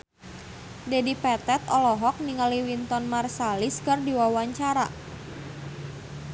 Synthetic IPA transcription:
dɛdipɛt̪ɛt̪ɔlɔɦɔk̚niŋaliwint̪ɔnmarsaliskərdiwawaɲt͡ʃaɾa

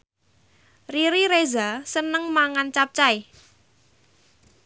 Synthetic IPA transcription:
riɾiɾezasənəŋmaŋant͡ʃap̚t͡ʃai

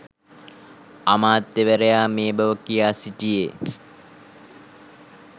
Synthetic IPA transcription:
amaːt̪ːeʋəɾejaːmeːbɐʋəkijaːsiʈije

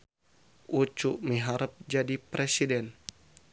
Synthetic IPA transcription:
ʔut͡ʃuʔmiɦaɾəp̚d͡ʒadipɾʔesidɛn

